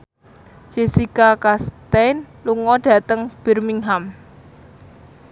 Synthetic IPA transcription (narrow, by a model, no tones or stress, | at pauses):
d͡ʒ̥e̤sikakast̪ɛnluŋɔɖ̥ä̤t̪əŋb̥ɛrmiŋɦam